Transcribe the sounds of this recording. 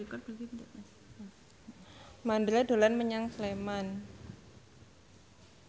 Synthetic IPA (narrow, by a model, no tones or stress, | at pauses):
ikʊt̪̚b̥ | mand̪ɾad̪o̤lanməɲaŋsleman